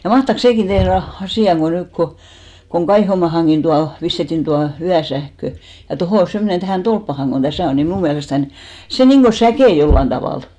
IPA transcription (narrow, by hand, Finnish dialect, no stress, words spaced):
jɑ mɑhtɑks seˑkin tehr ʋɑ ɑsiˑɑ ko nykːo koŋ kɑihomɑːhɑŋɡ̊in tuɑ pistetːin tuɑ yæsæhkø jɑ tohoˑ semːonen tæhæˑn tolpːɑhɑŋ ɡ̊on tæsæˑ on ni mnuˑ miælestæn se niŋɡ̊o sækeˑ jolːɑn tɑʋɑˑl